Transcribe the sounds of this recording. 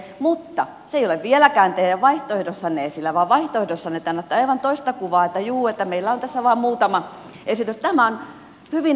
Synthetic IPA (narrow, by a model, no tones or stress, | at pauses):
mut̪ːɑ | seijoleʋʋielækæːnt̪ehjæʋʋɑiht̪oehdosːɑneːsilːæʋɑːʋʋɑiht̪oehdosːɑnet̪ːænːæt̪ːɑiʋɑnt̪oist̪ɑkuʋɑːet̪ːæjuːet̪ːæmeilːæont̪æsːæʋɑːmmuːt̪ɑmɑ | ʔesit̪yst̪æmæon | hyʋin